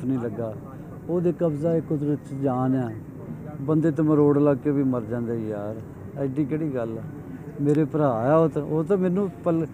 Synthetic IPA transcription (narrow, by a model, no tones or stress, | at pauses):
nĩːləɡːaː | oːd̪eːkəbzaːɪkːd̪ɾɪt͡ʃd͡ʒaːnaː | bənd̪eːt̪̬əmə̃ɾoːɽləɡkeːʋiːməɾd͡ʒãːnd̪eːijaːɾ | ɪɖiːkeːɽiːɡəlː | meːɾeːpəɾaːjaːoːt̪oːt̪ãːmɛ̃ːnːũːpəl